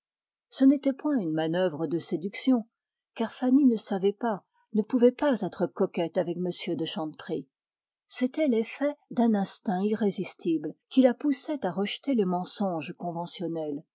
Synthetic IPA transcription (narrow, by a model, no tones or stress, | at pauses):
sənet̪ɛpwɛ̃ynmanœvʁəd̪əsed̪yksjɔ̃ | kaʁfaninəsavɛpa | nəpuvɛpazɛt̪χəkɔkʲɛt̪avɛkməsjød̪əʃɑ̃d̪pχi | set̪ɛlefɛd̪ɛ̃nɛ̃st̪ɛ̃iʁezist̪iblkʲilapusɛt̪aʁəʒt̪elemɑ̃sɔ̃ʒkɔ̃vɑ̃sjɔnɛl